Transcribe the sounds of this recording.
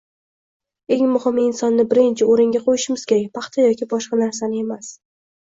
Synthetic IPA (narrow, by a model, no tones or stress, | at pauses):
e̞ŋmʊhɪmɪnsɒnːɪbɪɾɪnt͡ʃʰɪoɾɪŋɡʲaqʰojɪʃɪmɪz̥kʲeak̚ʲpʰɑχt̪ʰɒjɒkʲɪbɒʃqɑnaɾs̬anɪe̞mas